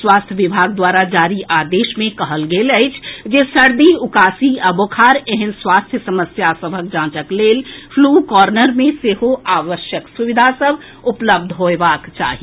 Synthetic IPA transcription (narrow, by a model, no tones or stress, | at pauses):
swaːst̪ʰjəʋibʱaːɡd̪waːɾad͡ʒaːɾiʔaːd̪eːʃmẽkəɦəlɡeləɪt͡ʃʰd͡ʒesəɾd̪iʊkaːsiabokʰaːɾeɦənswaːst̪ʰjəsəməsjasəbʱək̚d͡ʒãːt͡ʃəkleːlpʰlukɔːɾnəɾmẽseɦoaːʋəʃjəksuʋid̪ʱasəbʱ | ʊpləb̚d̪ʱɦoebaːkt͡ʃa̰ːɦi